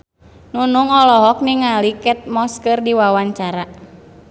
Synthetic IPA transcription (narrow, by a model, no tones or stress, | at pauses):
nunuŋɔlɔɦɔk̚niŋalikɛt̪̚mɔskərdiwawaɲt͡ʃaɾa